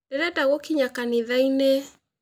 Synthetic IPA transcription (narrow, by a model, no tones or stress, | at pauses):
ndeɾɛdaɣokiɲakaneðaine